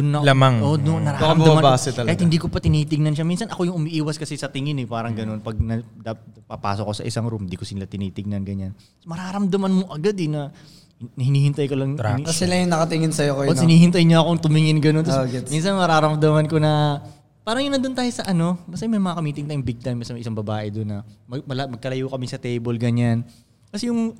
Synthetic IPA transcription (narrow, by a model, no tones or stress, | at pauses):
d̪ʊnːɐlamaŋʔod̪onɐɾaːɾɐmdɐmɐbasɛt̪ɐɐjɪhɪnd̪iːkopɐt̪ɪniːt̪ɪɡ̚nɐnʃaminsɐnʔɐko̞jʊŋʊmiʔiːwɐskɐsɛsɐt̪ɪŋɪnɛpaːɾɐŋɡɐno̞npɐɡ̚nɐd̪apɐpa̰ːsokːosɐ̰ʔɪsaŋɾumnd̪iːkosɪnlat̪ɪniːt̪ɪɡ̚nɐnɡɐɲan | mɐɾaːɾɐmd̪ɐmanmoʔɐɡad̪ɛnɐ | nɐhɪniːhɪnt̪ɐjkolɐŋt̪ɐsɪlɐjʊŋnɐkɐt̪ɪŋɪnsɐjokooɪniːhɪnt̪ɐjɲoʔɐkoŋt̪ʊmɪŋɪnɡɐnot̪ːɡɛminsɐnmɐɾaːɾɐmd̪ɐmɐnkonɐ | paːɾɐŋjʊnːɐnd̪ʊnt̪aːjosɐʔɐno̞bɐsɐjmɐjmɐŋɐkɐmiːt̪ɪŋt̪aːjʊŋbɪɡ̚t̪ajmɐsɐnmɐjʔɪsaŋbɐbaːʔɛd̪onːɐmɐɡmɐlɐmɐɡ̚kɐlɐjukɐmɪsɐt̪ɛjbolɡɐɲan | kɐsɛjʊŋ